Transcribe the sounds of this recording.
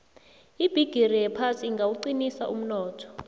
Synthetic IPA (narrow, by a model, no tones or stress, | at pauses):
ib̥ʱiɡ̥ʱirijɛpʰasiŋɡawuǀinisaʔum̩nɔːtʰɔ̥